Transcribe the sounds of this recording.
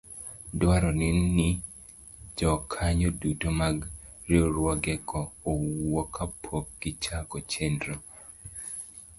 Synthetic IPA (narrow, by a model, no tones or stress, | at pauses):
dwaɾɔnɪnːi | d͡ʒɔkʰaɲodutomaɡɾioɾwɔɡɛkɔːwɔkʰapʰokɡit͡ʃakɔt͡ʃɛndɾo